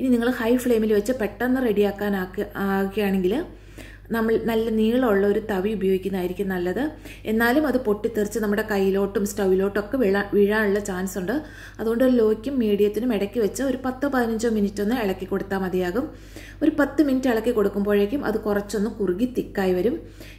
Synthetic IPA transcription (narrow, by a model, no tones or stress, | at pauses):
ininiŋːɐɭhɐjfɭe̞ːmilʋɐt͡ɕːɨpeʈːɐnːɨre̞ɽijaːkːaːnaːaːɣɐjaːɳe̞ŋɡil | nɐmːɐɭnɐlːɐniːɻɭoɭːɐo̞ɾut̪ɐʋiubɐjo̞ːɡikʲːnːðaːjiɾikʲːunːnɐlːɐðɨ | e̞nːaːlumɐðɨpo̞ʈːit̪ːirt͡ɕːɨnɐmːuɽe̞kɐjːilo̞ːʈːumstɐwilo̞ːʈːo̞kːe̞ʋiɭaʋiɻaːnuɭːɐt͡ɕaːnsuɳɖɨ | ɐðuɣo̞ɳɖoɾulo̞ːkʲːumːiːɽijɐt̪ːinumeɽɐkʲːiʋɐt͡ɕːɨo̞ɾupɐt̪ːɨpɐðinɐɲd͡ʑoːminitːo̞nːɨeɭɐkːikːo̞ɽut̪ːaːmɐðijaːɣum | o̞ɾupɐt̪ːɨminitːɨeɭɐkːikːo̞ɽukːumboːɻekʲːumʔɐ̰ðɨkurɐt͡ɕːo̞nːɨkuriɣit̪ːikːaːjiʋɐɾum